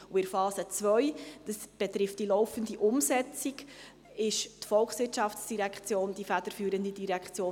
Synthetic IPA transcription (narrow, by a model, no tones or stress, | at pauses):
uɪɾfɑːsət͡svœjd̥əsb̥ɛtɾɪft̚d̥ilɔʊfəndiʔʊmsɛt͡sik | ɪʃtfɔlksʋɪtʃɑfsd̥iɾækχt͡sjoːnd̥ifæd̥əɾfyːɾəndidiɾækχt͡sjoː